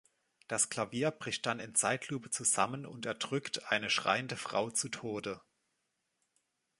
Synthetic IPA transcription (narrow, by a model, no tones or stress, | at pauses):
d̥askl̥aviːɐbʁɪçt̚d̥anɪnt͡saɪtʰluːpət͡suza̰mənʊ̰ntɛɐdʁʏktʰʔaɪnəʃʁ̥a̰ɪəndəfʁ̥a̰ʊt͡sutʰoːdə